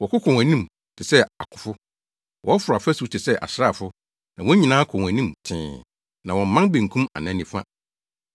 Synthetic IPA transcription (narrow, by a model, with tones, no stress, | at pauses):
wɔ˨kʊ˦kʰɔ̃˨wæ̃˨nĩ˦˨m | tʰɪ˨sɛ˦a̰˨kʰʊ̥˨fʊ˦ | wɔ˦ɔ˦fʊ˨ɾa˨fæ˦su˨˦tʰɪ˨sɛ˦ʔa̰˨sɪɾa˦˨fʊ˦ | nã˨wɔ̃˦ɲĩ˨nãː˦kʰɔ̃˨æ̃˨nĩ˦mtʰɪ̰̃ː˨ | nã˨wɔ̃˨m̩˦mã˦nbẽ˨ŋ̩˨kʰũ˦ma̰˨nã˨˦nĩ˨fã̰˦